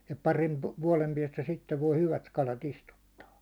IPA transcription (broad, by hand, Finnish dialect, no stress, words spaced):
jɑ pɑrin ʋuɒlem piɛstæ sitːeʋ ʋoi hyʋæt kɑlɑt istutːɑː